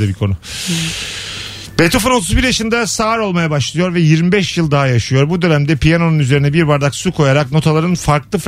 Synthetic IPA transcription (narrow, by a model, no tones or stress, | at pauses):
ɛbikʰo̞nu | b̥et̪ʰofuno̞t̪ʰuzbiɾjaʃɯnd̪asaːɾo̞lˠmajabaʃlˠɯjo̞ɾvɛjiɾmibɛʃjɯlˠd̪aɦajaʃɯjo̞ɾbud̪ø̞næmd̪ɛpʰijano̞nunyze̞ɾinɛbiɾbaɾd̪aksukʰo̞jaɾak̚no̞t̪ʰalˠaɾɯnfaɾklˠɯf